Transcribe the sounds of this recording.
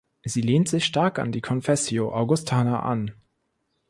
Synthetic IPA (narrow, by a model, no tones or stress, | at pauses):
ziːleːntz̥ɪçʃtaɐka̰ndiːkʰɔnfɛsjoʔaʊɡʊstʰaːnaʔa̰n